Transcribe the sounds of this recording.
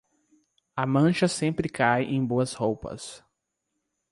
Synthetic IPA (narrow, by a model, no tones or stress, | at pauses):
ɐmɐ̃ʃɐsẽmpɾɪkajʔẽj̃boɐshowpɐ̰s